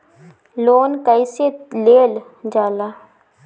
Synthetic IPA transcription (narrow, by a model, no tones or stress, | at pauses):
loːnkəɪseleːl | d͡ʒaːlaː